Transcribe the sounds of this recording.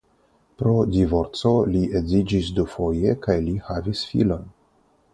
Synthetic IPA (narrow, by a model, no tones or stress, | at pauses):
pɾo̞divo̞ɾt͡so̞liʔe̞zid͡ʒis̬dufo̞jekajlihavisfḭlo̞n